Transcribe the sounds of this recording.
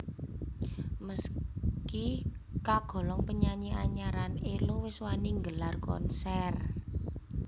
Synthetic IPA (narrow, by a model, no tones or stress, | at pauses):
məskikaɡ̥ɔ̤lɔŋpəɲaɲiaɲaɾanelowɪswaniŋɡəlarkɔ̰nsɛr